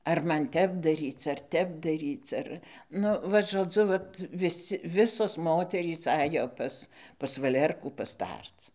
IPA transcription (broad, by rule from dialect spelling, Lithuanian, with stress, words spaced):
ɐr ˈmɐn ˈtʲɛp dɐˈrʲiːt͡s ɐr ˈtʲɛp dɐˈrʲiːt͡s ˈɐr ˈnʊ ʋɐt ʒoːˈd͡zʊ ˈʋɐt ʋʲɪˈsʲɪ ˈʋʲɪsoːs ˈmoːtʲɛrʲiːs ˈɑːjoː ˈpɐs pɐs ʋɐˈlʲɛrkuː pɐˈstɐrt͡s